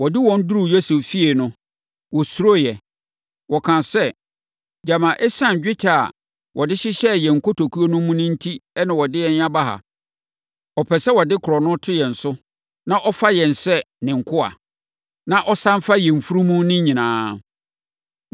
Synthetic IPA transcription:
wɔ˨dɪ˦wɔ̃˦n˦du˦ɾu˦˨jo˦se˨ffi˦e˨nʊ̃˦ | wɔ˨su˦ɾo˦jɛ˨ | wɔ˨kʰã˨sɛ˦ | d͡ʑa˨mã˨ʔɛ˦sã˦˨ɲ˨d͡ʑᶣɪ˦t͡ɕʰa˨a̰˨ | wʔɔ˨dɪ˦ɕɪ˦ɕɛ˦jɛ˨ŋ̩˨kʰo˦tʰo˨kʰu˦o˦nʊ̃˦mũ˦nʊ̃˦n̩˦tʰi˦ɛ˦nɪ̃˨wɔ˨dɪ˦ɛ˦˨ɲ˦ã˦ba˦ɦa̰˨ | ɔ˨pʰɛ˨sɛ˦wɔ˨dɪ˦kʰɔ˨nʊ̃˦tʰʊ˦jɛ˨n̩˨sʊ˦ | nã˦ʔɔ˦fa˦jɛ˨n̩˨sɛ˦ | nɪ̃˨ŋ̩˨kʰʊ˦a̰˨ | nã˦ʔɔ˦sã˦m˦fa˦jɛ˨m̩˨fu˦ɾũ˦mũ˦nɪ̃˦ɲ˦ɲĩ˨nãː˨˦

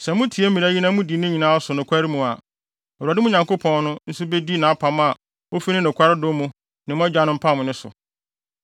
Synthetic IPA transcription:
sɛ˨mʊ̃˦tʰi˨e˦m̩˦mĩ˨a˦ɲi˦nã˦mʊ̃˦di˨˦nɪ̃˦ɲĩ˨nãː˦sʊ˨nʊ̃˨kʷʰa˦ɾi˦mũ˨a˨ | ɔ˨a˨dɪ˦mũ˦ɲã˨ŋko˦pʰɔ̃˦n˦nʊ̃˦n̩˦sʊ˦be˦di˦nã˨a˦pʰa˨m˦a˨ | o˦fi˦nɪ̃˦nʊ̃˨kʷʰa˦ɾɪ˦do˦mũ˨ | nɪ̃˨mʊ̃˦a˦d͡ʑᶣa˦nʊ̃˦m̩˦pʰã˦˨mʊ̃˨nɪ̃˦sʊ̰˨

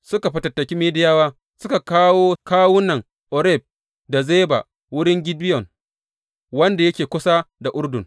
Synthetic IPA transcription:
sʊ˦ka˨ɸɪ˦tɐ˨tːɐ˨kʲi˦meː˦dɪ˦jaː˦waː˦ | sʊ˦ka˨kaː˦woː˦kaː˦wʊ˦nɐ˨ŋ | ʔɔ˨ɾɛ˦˨b̚ | da˨zeː˦ba̰˨ | wʊ˦ɽɪ˦ŋɡʲɪ˦dɪ˦jɔ˨ŋ | wɐ˦nda˨jɐ˦kʲeː˨kʷʊ˦sa˦da˨ʔʊ˦rdʊ˨ŋ

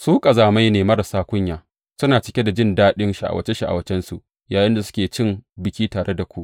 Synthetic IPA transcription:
suː˦kʼɐ˨zaː˨ma˦jneː˨mɐ˦ɾɐ˨saː˦kʷʊ˦ɲjaː˨ | sʊ˦naː˨t͡ʃɪ˨kʲe˦da˨d͡ʒɪ˦ndaː˦ɗɪ˦nʃa˨ʔa̰˨wɐ̰˦t͡ʃe˦ʃa˦ʔa̰˨wɐ˦t͡ʃɛ˦nsu˨ʔ | jaː˨jɪ˦nda˨sʊ̥˦kʲeː˨t͡ʃɪ˦mbɪ˨kʲiː˦taː˨ɽe˦da˨kʷu˦ʔ

